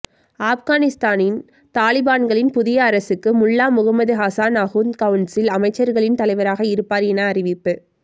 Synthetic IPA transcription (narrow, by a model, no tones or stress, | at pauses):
aːfɣaːnɪst̪aːnɪn | t̪aːlɪbaːnɡɐɭɪnpʊðɪjɐːɾɐsɯkːɯmʊɭːaːmʊɣɐmɐðɯɣaːsaːnɐɣunkɐʋɯnsɪlɐmɐɪt͡ʃːɐɾɣɐɭɪnt̪ɐlɐɪʋɐɾaːɣɐɪɾɯpːaːɾjɛnɐːɾɪʋɪpːɯ